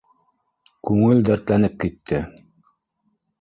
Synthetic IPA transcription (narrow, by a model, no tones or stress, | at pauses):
kʉŋɘld̪æɾt̪lænɘp̚kit̪ʰːɘ